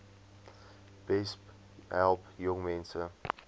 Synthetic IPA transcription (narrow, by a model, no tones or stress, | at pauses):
b̥ɛsp | ɦɛlˠpjɔŋmɛnsə